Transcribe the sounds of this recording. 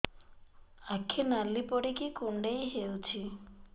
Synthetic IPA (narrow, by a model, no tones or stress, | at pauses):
akʰinalːipɔɽikikuɳɖejɦewt͡ʃʰi